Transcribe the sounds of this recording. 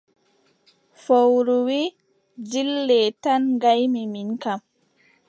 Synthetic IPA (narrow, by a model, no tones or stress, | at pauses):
fowɾuwi | d͡ʒilːɛtanɡajmiminkam